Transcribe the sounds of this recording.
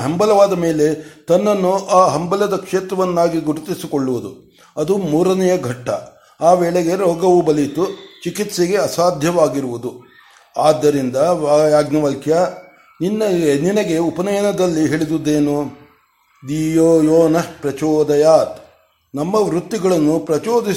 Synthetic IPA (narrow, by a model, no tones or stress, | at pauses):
ɦɐmbɐlɐʋaːd̪ɐme̞ːle̞t̪ɐnːɐnːuʔaːɦɐmbɐlɐd̪ɐkʂeːt̪ɾɐʋɐnːaːɡiɡuɽut̪isikoɭːuʋud̪u | ɐd̪umuːɾɐnɛjɐɡʱɐʈːɐ | aːʋɛːɭeɡe̞ɾɔːɡɐʋubɐlit̪ut͡ʃikit̪seɡe̞ɐsaːd̪ʱjɐʋaːɡiɾuʋud̪u | aːd̪ːɐɾind̪ɐʋaːjaːɡnɐʋɐlkjɐ | ninːɐninɐɡe̞upɐnɐjɐnɐd̪ɐlːiɦeɭid̪ud̪eːnu | d̪iːjoːjoːnɐpɾɐt͡ʃɔːd̪ɐjaːt̪ | nɐmːɐʋɾut̪ːiɡɐɭɐnːupɾɐt͡ʃɔːd̪i